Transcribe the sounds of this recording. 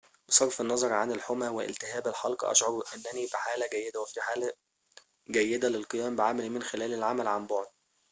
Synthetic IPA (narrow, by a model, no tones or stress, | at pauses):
wesˤɑɾˤfenːɑzˤɑɾˤʕanelħomæweʔḛlt̪ɪɦæːbelħɑlqɑ̰ʔɑ̰ʃʕoɾʔenːænifiħaːlæɡæjːed̪æwefiħaːlæ | ɡæjːed̪ælelqɨjæːmbɪʕamælimenxelæːlelʕamælʕamboʕd̪̚